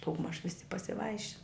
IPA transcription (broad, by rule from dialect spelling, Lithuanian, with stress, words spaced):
dɐʊɡˈmɐʃ ˈʋʲɪsʲɪ pɐsʲɪˈʋɐɪʃʲɪn